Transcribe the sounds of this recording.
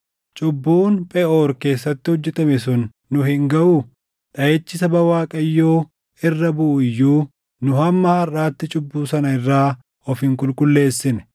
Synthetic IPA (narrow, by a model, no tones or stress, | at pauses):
t͡ʃʼʊbːuːnpʼɛʔoːɾke̞ːsːɐt̪ːɪhɔd͡ʒːɛt̪ɐmɪsʊnː | ʊhɪŋɡɐʔuː | ᶑɐjeːt͡ʃːɪsɐbɐwaːkʼɐjːoː | ɪrːɐbʊʔːjːuː | nʊhɐmːɐhɐrʔaːt̪ːɪt͡ʃʼʊbːuːsɐnɐɪrːaː | ɔfɪŋkʼʊlkʼʊlːe̞ːsːɪnɛ̥